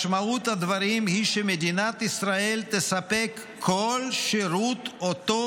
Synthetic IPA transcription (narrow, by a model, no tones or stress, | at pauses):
ʃmaut̪had̪vaʁimhiʃemed̪inat̪isʁae̞lt̪esape̞kʰːolʃeɾut̪ot̪o